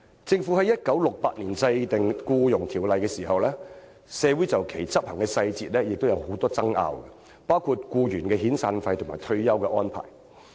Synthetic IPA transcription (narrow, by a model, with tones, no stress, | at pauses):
t͡sɪ˧ŋfuː˨˥hɐ˨˥jɐ˥t̚kɐ˨˥wlʊ˨k̚pa̰ː˧t̚niː˨˩nsɐ˧jt̪ɪ˨ŋkuː˧jʊ˨˩ŋt̪ʰiː˨˩wlɐ˨jkɛː˧siː˨˩hɐ˨wlɛː˥ | sɛː˨˧wu˨˥jt͡sɐ˨wkʰe˨˩jt͡sɐ˥p̚hɐ˨˩ŋkɛː˧sɐ˧jt͡siː˨t̚lɛː˥jɪ˨k̚t̪o˥wjɐ˨˧who˨˥wt̪ɔː˥t͡sɐ˥ŋʔa̰ː˧wkɛ˧ | paː˥wkʰu˧t̚kuː˧jyː˨˩nkɛː˧ɦiː˨˥nsaː˧nfɐ˧jt̪ʰʊ˨˩ŋmaː˨˩t̪ʰɵ˧ɥjɐ˥wkɛː˧ʔɔː˥npʰa̰ː˨˩j